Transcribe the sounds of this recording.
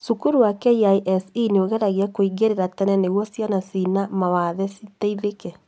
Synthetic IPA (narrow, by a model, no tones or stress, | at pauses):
sukuɾuwakɛiaiʔɛsineoɣɛɾaɣiakoiɡeɾeɾatɛɾɛneɣwɔsjanasinamawaðɛsitaiɾekɛ